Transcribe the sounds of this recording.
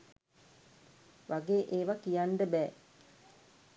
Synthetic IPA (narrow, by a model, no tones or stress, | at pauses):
ʋʔaɡeːʔeːʋakijaɳɖəbɛː